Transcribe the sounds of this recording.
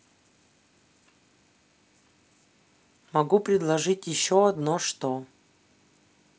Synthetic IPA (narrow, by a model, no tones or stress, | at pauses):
mɐɡupɾʲɪd̪lˠɐʐɨtʲjɪɕːoɐd̪noʂt̪o